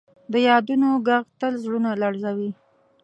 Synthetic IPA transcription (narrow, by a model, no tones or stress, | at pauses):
d̪əjɑd̪unoɡaɣt̪əlzɽunalaɽzawi